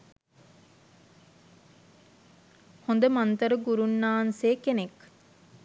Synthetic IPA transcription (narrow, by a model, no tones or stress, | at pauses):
hond̪əmant̪əɾəɡuɾunːaːnseːkenek